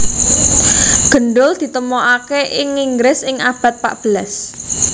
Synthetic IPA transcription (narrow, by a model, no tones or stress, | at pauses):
ɡ̥ə̤ɳɖʊld̪̥i̤t̪əmɔʔakeʔɪŋiŋɡɾɪsɪŋab̥a̤t̪̚pa̰ʔb̥əlas